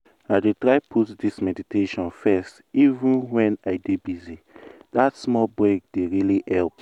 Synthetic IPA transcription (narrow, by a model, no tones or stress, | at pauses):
aɪdetɹaɪpʰutdismɛditeʃɔ̃nfɛst | ivũnwɛ̃naɪdebizidatsmɔlbɹeɡ̚deɹiliɛlp̚